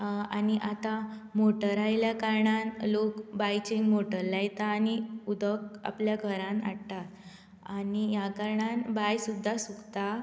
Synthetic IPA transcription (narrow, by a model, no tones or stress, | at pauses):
aniʔat̪a | moʈəɾajljakaɾɳanlokbajt͡ɕẽŋɡmoʈəɾːajt̪aːniud̪əka̰pljaɡʱəɾãna̰ɽt̪at̪ | anijakaɾɳãnbajsud̪ʱːasukt̪a